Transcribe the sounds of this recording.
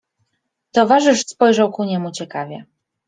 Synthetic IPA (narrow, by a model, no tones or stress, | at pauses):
t̪ɔvaʐɘʂspɔjʐawkuɲɛmut͡ɕɛkavʲjɛ